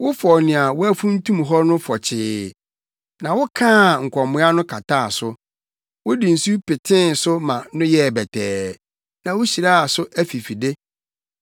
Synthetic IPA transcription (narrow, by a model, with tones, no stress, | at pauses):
wʊ˦fɔ˨nɪ̃˨a˨wʊ˦æ˦fũ˦n̩˦tʰũ˦m˨ɦɔ˦nʊ̃˦fɔ˨t͡ɕʰɪː˨ | nã˨wʊ˦kʰãː˦˨ŋ̩˨kʷʰɔ˨mʊ̃˨˦a˦nʊ̃˦kʰa˨tʰa˦˨a̰˨sʊ˦ | wʊ˦di˨n̩˨su˦pɪ˨tʰɪ̃˦n˨sʊ˦mã˨nʊ̃˦jɛ˦˨bɛ˨tʰɛː˨ | nã˨wʊ˦ɕi˨ɾa˦a˨sʊ˦ʔæ˦fi˨fi˨de˦